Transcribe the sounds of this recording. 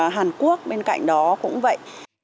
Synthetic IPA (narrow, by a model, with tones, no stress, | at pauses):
ɦaː˨˩nku˦˥ək̚ɓe˧nka̰˧˨jŋ̟ɗɔ˨˦kʊ̰˧˥ŋ͡mvə̰˧˨jʔ